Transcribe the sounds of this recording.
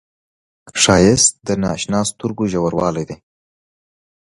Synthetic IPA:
ʂɑjɪst̪̚d̪ənɑ̰ʃnɑst̪uɾɡoʒawaɾwɑ̰lajd̪e

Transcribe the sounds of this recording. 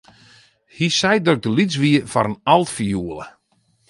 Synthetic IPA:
hisɛjdøɡ̚dəlit͡sʋiəfɔɾənalˠtfijuəlˠə

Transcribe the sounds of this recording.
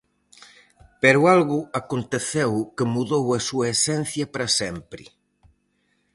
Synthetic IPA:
peɾʊalɣʊakont̪eθɛwkemuðowɐsuɐesɛn̟θjɐpɾɐsɛmpɾɪ̰

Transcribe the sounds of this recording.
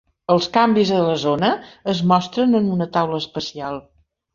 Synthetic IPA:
əlˠskambizðələzonəːzmɔst̪ɾənənunət̪awləspəsialˠ

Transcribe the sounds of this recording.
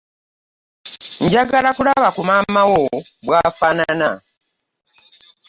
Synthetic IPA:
ɲɟaɡalakulaβakumaːmawobwaːfanana

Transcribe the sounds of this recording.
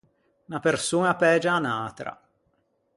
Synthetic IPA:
napersuːnapɛːd͡ʒaːnaːt̪ɾa̰

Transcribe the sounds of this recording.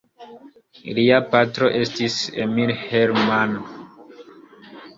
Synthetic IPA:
liapatɾo̞ʔe̞stisḛmiɾheɾman

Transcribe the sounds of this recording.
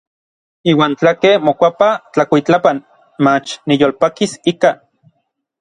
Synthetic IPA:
iːwaːnt͡ɬakemokʷapat͡ɬakʷit͡ɬapan | mat͡ʃnijoːlpakisika

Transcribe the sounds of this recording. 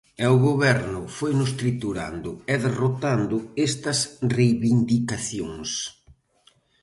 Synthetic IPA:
ɛʊɣoβɛɾnʊfojnʊst̪ɾit̪uɾa̰nd̪ʊɛðerot̪and̪ʊest̪ɐsrejβind̪ikaθjoŋs

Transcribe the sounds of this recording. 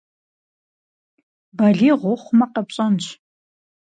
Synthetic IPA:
bɐɮiːʁʷʊχʷmɐqɐpɕʼɐnt͡ɕʰ

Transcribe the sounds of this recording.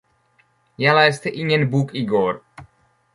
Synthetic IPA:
jalajst̪ɛʔiɲɛnbukiɡoɾ

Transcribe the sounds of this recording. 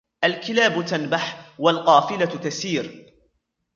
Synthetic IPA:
ʔalkɪlaːbʊt̪anbaħwalqɑːfɪlat̪asiːɾ

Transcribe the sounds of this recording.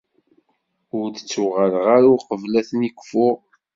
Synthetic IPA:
ʊɾd̪ət͡sːuʁəlʁaɾʊqəvlæθnikʷːfʊʁ

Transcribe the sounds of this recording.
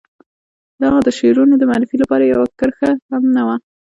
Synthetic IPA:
d̪ɑɣad̪əʃeɾunod̪əmaɾɪfilapɑɾajawakəɾxahamnawa

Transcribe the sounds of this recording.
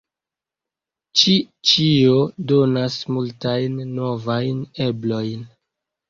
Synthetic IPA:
t͡ʃi | t͡ʃiodonasmultajnːo̞vajneblo̞jn

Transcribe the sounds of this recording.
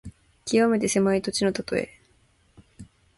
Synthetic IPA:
kʲiβame̞t̪e̞se̞mait̪o̞t͡ɕino̞t̪at̪o̞ḛ

